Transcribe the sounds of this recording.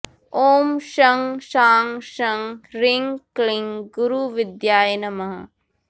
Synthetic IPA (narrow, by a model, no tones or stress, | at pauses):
oːmʃɐŋʃaːŋʃɐŋɾiŋkliŋɡuɾuʋɪd̪jaːjɐnɐmɐɦɐ̰